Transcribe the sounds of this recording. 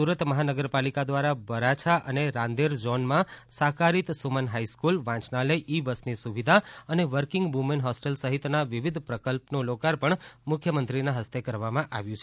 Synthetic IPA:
suɾət̪məɦanəɡəɾpalikad̪ʋaɾabəɾat͡ʃʰaʔəneɾãnd̪eɾd͡ʒɔnmãsakaɾit̪sumənɦaiskulʋãt͡ʃnaləiʔibəsnisuʋid̪ʱaəneʋəɾkɪ̃ŋɡmumenɦɔsʈelsəɦit̪naʋiʋid̪ʱpɾəkəlpnolokaɾpəɳmʊkʰjəmənt̪ɾinaɦəst̪ekəɾʋamãʔaʋjũt͡ʃʰ

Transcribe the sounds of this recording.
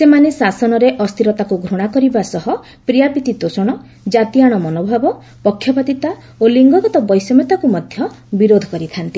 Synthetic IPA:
semanesasɔnɔɾeʔɔst̪ʰiɾɔt̪akuɡʱɾoɽ̃akɔɾibasɔɦɔ | pɾijapit̪it̪osɔɽ̃ɔ | d͡ʒat̪iaɽ̃ɔmɔnobʱabɔ | pɔkʰːjɔbad̪it̪a | oliŋɡɔɡɔt̪ɔbɔjsɔmet̪akumɔd̪ʱjɔ | biɾod̪ʱɔ̥kɔɾit̪ʰant̪i

